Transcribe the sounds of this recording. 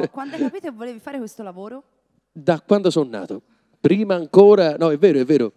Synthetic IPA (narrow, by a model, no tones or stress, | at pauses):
kwand̪ɛkkapiːt̪ovːoleːvifaːɾekwest̪olavoːɾo | d̪akːwand̪osɔnːa̰ːt̪ʊ | pɾiːmaːŋkoːɾanɔɛvːeːɾʊɛvːeːɾʊ